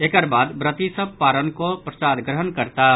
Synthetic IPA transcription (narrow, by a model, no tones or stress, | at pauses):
eːkəɾbaːd̪bɾət̪isəb̚paːɾənkopɾəsaːd̪ɡɾəɦənkəɾt̪aː